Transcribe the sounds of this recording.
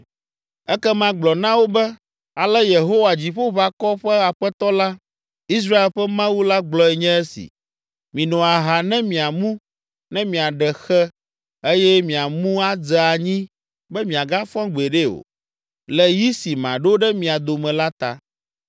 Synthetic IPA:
ɛ˦kɛ˦mã˦ɡ͡blɔ˨nã˦wo˦bɛ˦ | a˨lɛ˦je˨ɦo˦wa˨d͡ʑi˨ɸo˦βa˦kɔ˦ɸɛ˦a˨ɸɛ˦t̪ɔ˦la˦ | i˦s̬ɾa˦e˨lɸɛ˦mã˦wu˦la˦ɡ͡blɔ˨ɛ˨ɲɛ̃˦ɛ˦sḭ˨ | mĩ˨nɔ̃˨a˨ɦa˨nɛ̃˦mĩ˨a˨mũ˦ | nɛ̃˦mĩ˨a˨ɖɛ˨xɛ˦ | e˦jɛ˦mĩ˨a˨mũ˦a˦d͡zɛ˨a˨ɲĩ˦ | bɛ˦mĩ˨a˨ɡa˦fɔ̃˦ɡ͡be˨ɖe˦o̰˨ | lɛ˨ji˦si˨mã̰˨ɖo˦o˦ɖɛ˦mĩ˨a˨d̪o˨mɛ̃˨la˦t̪a̰˨

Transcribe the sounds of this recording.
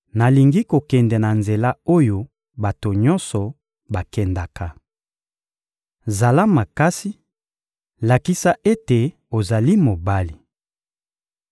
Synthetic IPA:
na˨li˨ŋɡi˦ko˨kɛ˨ndɛ˨na˨nze˨la˦o˦jo˦ | ba˨to˨ɲɔ˦nsɔ˨ | ba˨kɛ˨nda˨ka˦ | za˨la˦ma˨ka˦si˦ | la˨ki˦sa˦ʔe˦te˨ | o˨za˨li˦mo˨ba˦li˨

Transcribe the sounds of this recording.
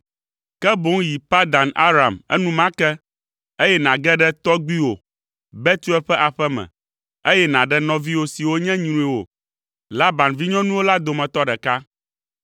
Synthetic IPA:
kɛ˦bo˦ŋ˦ji˨pa˦d̪a˨na̰˦ɾa˨mɛ̰˦nũ˦mã˦kɛ˦ | e˦jɛ˦nã˨ɡɛ˦ɖɛ˦t̪ɔ˦ɡ͡bi˦wo̰˨ | bɛ˦t̪u˦ɛ˦lɸɛ˦ʔa˨ɸɛ˦mɛ̰̃˨ | e˦jɛ˦nã˨ɖɛ˦nɔ̃˦vi˦wo˦si˨wo˦ɲɛ̃˦ɲ˦ɾũ˨˦i˨wo̰˨ | la˦ba˨nvi˦ɲɔ̃˦nũ˦wo˦la˦d̪o˨mɛ̃˨t̪ɔ˦ɖɛ˨ka˦

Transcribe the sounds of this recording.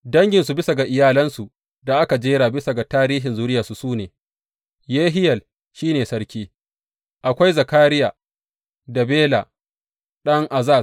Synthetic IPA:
dɐ˦ŋɡʲɪ˨nsu˨bɪ˦sa˨ɡa˨ʔɪ˨jaː˦lɐ˦nsu˨ | da˨ʔa˦ka˨d͡ʒeː˦ɽaː˨bɪ˦sa˨ɡa˨taː˦ɾiː˦ɦɪ˨nzuː˦ɾɪ˦jaː˨su˨suː˦neː˨ | jeː˦ɦɪ˦jɐ˨l | ʃiː˦neː˨sɐ˦ɾkʲiː˦ | ʔa˨kʷa˦jzɐ˨kaː˦ɾɪ˦jaː˨ | da˨beː˦la˨ | ɗɐ˦ŋʔa˨zaː˦˨

